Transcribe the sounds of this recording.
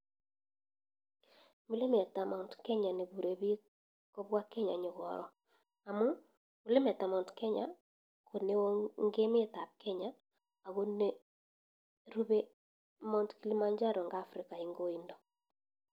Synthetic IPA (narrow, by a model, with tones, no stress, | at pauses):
mu˦le˦me˨ta˨mɔ˨ntkɛ˦ɲa˨ne˨βu˨ɾe˨βi˦ | kɔ˦βwa˦kɛ˦ɲa̰˨ɲe˨ɣɔ̰˨ɾɔ˨ | a˨mu˦ | mu˨le˦mɛ˨ta˨mɔ˨ntkɛ˦ɲa̰˨ | ko˨ne˦o˦ŋɡe˦me˦ta˨p̚kɛ˦ɲaː˦˨ | ɣo˦ne˦ | ɾu˦βe˦ | mɔ˦ntki˦li˦ma˦ɲd͡ʒa˦ɾɔ˨ŋɡaː˦fɾi˨ka˨i˦ŋɡo˦i˦ndɔ˨